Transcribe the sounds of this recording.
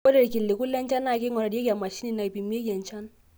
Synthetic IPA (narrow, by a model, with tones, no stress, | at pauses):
o˦de˦˨ɾi˨ki˨lːe˨ku˦lːɛ˦nt͡ʃa˦nːa˦˨ke˦ŋɔ˨ɾa˨di˦e˦ka˨mːa˨ʃi˦ni˦˨na˨i˨pi˨mːi˦e˦ka˨nt͡ʃa˦n